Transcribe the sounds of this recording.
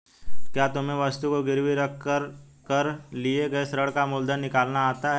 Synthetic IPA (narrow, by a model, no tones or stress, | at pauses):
kjaːt̪ʊmẽʋɐst̪ukoɡɪɾʋiɾəkʰəɾ | kəɾlieɡɐesɾəɽkamʊld̪ʱənːɪkaːlnaːt̪aɦɛ